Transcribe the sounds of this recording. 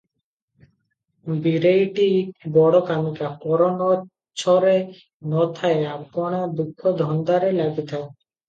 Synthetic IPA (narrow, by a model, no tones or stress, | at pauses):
biɾejʈibɔɽokamikakɔɾono | t͡ɕʰɔɾe | nɔt̪ʰaeabɡɔɽ̃ad̪ukʰːod̪ʱɔnd̪aɾelaɡit̪ao